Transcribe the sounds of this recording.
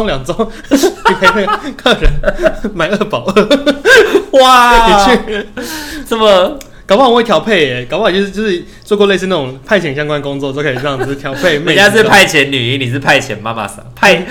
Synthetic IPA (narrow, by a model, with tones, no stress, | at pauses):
ŋljɑ˨˩ŋʈ͡ʂo˦˥ŋ | i˨˩pʰe˧ɪpʰe˥˧kʰə˥˩ɻə˨˦nma˨˩ɪə˥˧˩pɑ˨˩˦ʊə˥˧˦ | wa˨˩˥i˨t͡ɕʰy˥˧ | sə˥˩mə˨˩ | kkɑ˨˦wɑ˥˩˨wt̪ʰjɑ˨˥ʊpʰe˥˩ɪɛ˨˩kwt͡ɕjo˥˧˥jo˥˧ʊʂɻ̩˥˧˩ | t͡swɔ˥˧kwɔ˥˧le˥˧ɪs̬ɹ̩˥˧na˥˩ʈ͡ʂʊ˨˦ŋpʰa˥˩ɪt͡ɕʰɛ˨˩nɕjɑ˥ŋkwa˦nkʊ˥ŋt͡swɔ˥˨o˥˧kʰe˧˩˨o˧˥˩t̪ʰjɑ˨˥ʊpʰe˥˧ɪme˨˥˨t͡ɕja˥˧pʰa˥˩ɪt͡ɕʰjɛ˧˦nny˨˩i˧˥˦ni˨˩˥pʰa˥˩ɪt͡ɕʰjɛ˧˦nma˦ma̰˧sa̰˧˩˦pʰa˥˧ɪ